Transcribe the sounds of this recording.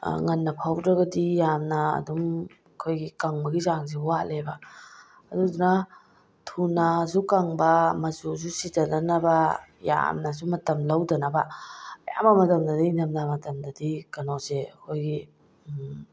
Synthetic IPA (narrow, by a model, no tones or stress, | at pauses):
ŋɐnːɐpʰawɾɐɡɐdijamnɐ̰ːdum | kʰojɡikaŋbɐɡizaŋz̬euwalebɐː | duduna | tʰunazukaŋbɐmɐzuzusitɐdɐnɐbɐja̰mnas̬umɐtɐmlɐwdɐnɐbɐja̰mɐmɐtɐmdɐdiindɐmnamɐtɐmdɐdikɐnozeɐkʰojɡi